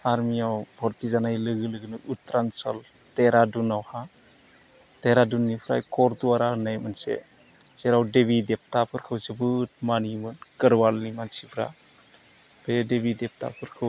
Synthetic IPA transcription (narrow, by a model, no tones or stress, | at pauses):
aɾmiawbʱɔɾtizanajlɯɡɯlɯɡɯnɯʔutɾansɔl | teɾadunawha | teɾadunːipʰɾa̰jkɔɾtuaɾanajmɯnsḛ | z̥eɾawdebidep̚tapʰɯɾkʰɯwzebɯt̚manimɯnkɯɾwalnimansipʰɾa̰ | b̥edebidep̚ta̰pʰɯɾkʰɯw